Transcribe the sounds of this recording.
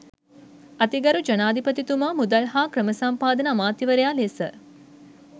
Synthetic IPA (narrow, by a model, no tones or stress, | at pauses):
ɐt̪iɡɐɾud͡ʒɐnaːd̪ʱipət̪it̪umamud̪əlɦaːkɾəməsampaːd̪ənamaːt̪jiʋəɾejaːlesə̰